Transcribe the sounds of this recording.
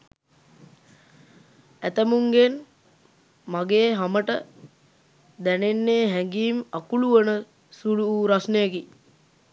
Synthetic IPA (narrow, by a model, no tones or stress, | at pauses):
æt̪əmuŋɡen | maɡeːɦaməʈə | d̪ænenːeːɦɛŋɡiːmakuluʋənə | suluːɾasnejəki